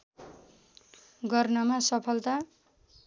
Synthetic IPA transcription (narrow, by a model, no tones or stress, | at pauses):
ɡʌrnʌmasʌpʰʌlt̪a